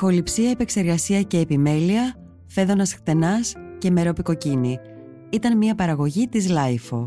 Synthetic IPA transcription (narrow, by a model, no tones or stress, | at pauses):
xo̞lipsiɐepe̞kse̞ɾɣɐsiɐce̞ːpime̞liɐ | fe̞ðo̞nɐsxt̪e̞nɐsce̞me̞ɾo̞piko̞cini | it̪ɐnmiɐpɐɾɐɣo̞ʝit̪izlɐjfo